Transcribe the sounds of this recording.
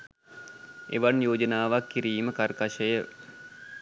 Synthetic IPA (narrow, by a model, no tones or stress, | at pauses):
ḛʋanjoːd͡ʒənaːʋakːiɾiːməkarkaʃəjə